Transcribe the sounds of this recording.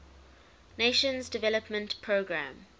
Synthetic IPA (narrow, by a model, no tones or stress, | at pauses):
neʃə̃nzdɪvɛləpmə̃ntpʰɹoːɡɹã̰m